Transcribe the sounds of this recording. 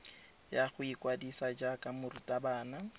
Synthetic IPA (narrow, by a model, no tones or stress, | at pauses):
jaχʊikʼwadisad͡ʒakʼamʊritʼabaːna